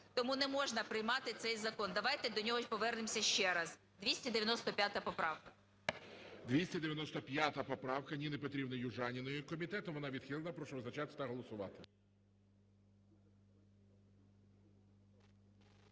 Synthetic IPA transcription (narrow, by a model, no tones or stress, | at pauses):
t̪ɔmunɛmɔʒnɐpɾɪjmɑt̪ɪt̪sɛjzɐkɔnd̪ɐʋɑjt̪ɛd̪ɔnʲɔɦɔʃpɔʋɛrnɪmsʲɐʃt͡ʃɛɾɐz | d̪ʲʋʲisʲtʲɐd̪eʋʲjɐnɔst̪ɔpʲjat̪ɐpɔpɾɑwkɐ̥ | d̪ʋʲisʲtʲɐd̪ejɐnɔst̪ɔpʲjat̪ɐpɔpɾɑwkɐnʲinepɔt̪ɾʲibnɐjʊʒɑnʲinɔjʊkɔmʲit̪ɛt̪ʊʋɔnɑʋʲid̪xʲilˠenɐpɾɔʃɔɔznɐt͡ʃɑt̪ɪ̥t̪ɐɦɔlˠɔsʊʋɑ̰t̪ɪ